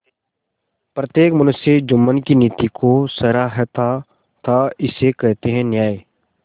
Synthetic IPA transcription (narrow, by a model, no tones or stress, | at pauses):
pɾət̪jeːkmʊnəsed͡ʒʊmːənkiniːt̪ikʰosəɾaɦɛt̪ʰa | t̪ʰaɪsekɛɦt̪eɦɛ̃njaːe